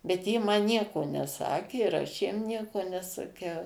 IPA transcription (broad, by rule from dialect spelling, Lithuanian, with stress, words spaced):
bʲɛt ˈjiɛ ˈmɐn ˈnʲiɛkoː nʲɛˈsɑːkʲeː ɪr ˈɐʃ jiɛm ˈnʲiɛkoː nʲɛsɐˈkʲɛʊ